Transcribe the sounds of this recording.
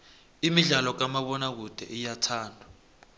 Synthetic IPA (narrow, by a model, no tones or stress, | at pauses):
imiɮalɔk̬amaɓɔnak̬ud̥ʱɛ̰ʔijatʰaːndʱḁ